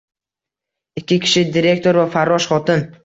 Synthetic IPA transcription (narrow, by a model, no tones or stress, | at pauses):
ɪkʲʰːɪkʲʰɪ̥ʃɪd̪iɾe̞k̚ʲt̪ʰo̞ɾvafaɾːɒʃχɒt̪ɪn